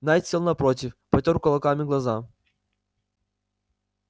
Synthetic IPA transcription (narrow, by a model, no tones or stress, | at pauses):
najt̪ʲsʲelˠnɐpɾot̬ʲɪfpɐtʲoɾkɐlˠɐkamʲɪɡlˠɐza